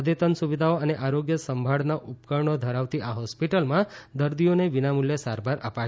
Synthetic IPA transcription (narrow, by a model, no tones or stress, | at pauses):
əd̪et̪ənsuʋid̪ʱaoəneʔaɾoɡjəsəmbʱaɽnaʔupkəɾɳod̪ʱəɾaʋt̪iʔaɦɔspiʈəlmãd̪əɾd̪ijoneʋinamuljəsaɾbaɾəpa